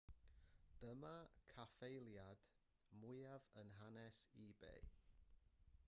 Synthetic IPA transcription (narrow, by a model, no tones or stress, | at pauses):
d̥əmakʰafejlˠjad̥ | mʊjavənɦanɛsibḛj